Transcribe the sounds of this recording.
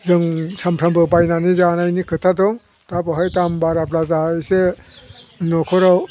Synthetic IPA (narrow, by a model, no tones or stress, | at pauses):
zɯŋsampʰambɯbajnanizanajnikʰɯtʰadɔŋ | tapɔɦajtambaɾaplazajse | nɔkʰɔɾaw